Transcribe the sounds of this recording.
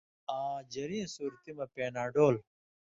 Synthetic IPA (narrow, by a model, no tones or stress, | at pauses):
ãːd͡ʑɐɾĩːsuːɾt̪imɐpeːnaːɖoːl